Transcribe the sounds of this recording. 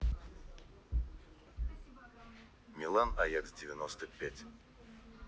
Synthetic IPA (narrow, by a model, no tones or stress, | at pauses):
mʲɪlˠanajɛksdʲɪvʲɪnost̪əpʲætʲ